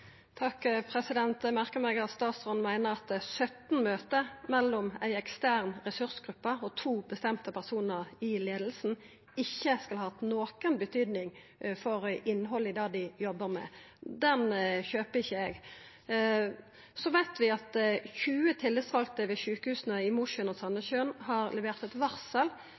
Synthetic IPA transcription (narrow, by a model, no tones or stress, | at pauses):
t̪ʰɑkːpʰɾɛsɪd̪ɛnt̪mæʁkəmɛɡɑst̪ɑːt̪sʁɔnmæɪnəʁɑt̪sœt̪nmøːt̪əmɛlːɔmæɪɛkst̪æːʁnʁɛsʉʁsɡʁʉpːəɔt̪ʰuːbəst̪ɛmt̪əpʰæʁsuːnəʁɪleːd̪l̩sn̩ | ɪçːəskɑlhɑːt̪noːkənbət̪ʰyːd̪nɪŋ | fɔɾɪnːɦɔlɪd̪ɑːd̪ɪjɔbːəʁmɛ̰ | d̪ɛnçøːpəɪçːəɛɡ | sɔʋæɪt̪ʋɪɑt̪çʉːət̪ʰɪlːɪsʋɑlkt̪əʋɛʃʉːkəhʉːsnəɪmʊʂənɔsɑnːəçøːnɦɑʁlɛʋeːʁt̪ɛt̪ʋɑʁsəl